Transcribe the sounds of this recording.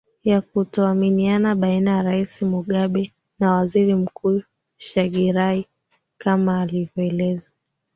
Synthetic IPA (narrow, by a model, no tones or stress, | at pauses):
jakutɔaminianaɓainajaɾaisimuɠaɓɛ | nawaziɾim̩kuː | ʃaɠiɾai | kamaːlivjɔɛlɛza